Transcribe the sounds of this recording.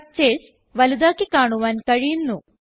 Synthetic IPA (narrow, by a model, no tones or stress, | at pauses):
t͡ɕeːs | ʋɐlid̪aːkːikaːɳuʋaːnkɐɻijunːu